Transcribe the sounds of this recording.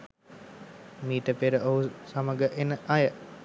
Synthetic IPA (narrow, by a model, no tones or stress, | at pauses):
miːt̪əpeɾəʔoɦusaməɡəʔenəʔajə